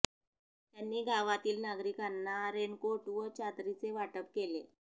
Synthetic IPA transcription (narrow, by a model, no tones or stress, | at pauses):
t̪janːiːɡʱaʋat̪iːlnaɡɾikanːaɾenkoʈʋət͡ɕad̪ɾit͡seʋaʈəp̚kele